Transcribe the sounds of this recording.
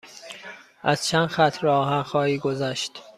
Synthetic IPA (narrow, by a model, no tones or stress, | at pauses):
ʔæz̥t͡ʃʰænd̪xæt̪ʰɾɒːɦænxɒːiːɡozæʃt̪